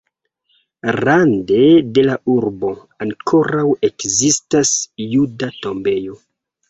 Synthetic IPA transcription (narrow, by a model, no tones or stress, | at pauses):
rande̞de̞laʔuɾbo̞ | aŋkʰo̞ɾawe̞kzistasjudato̞mbe̞jo̞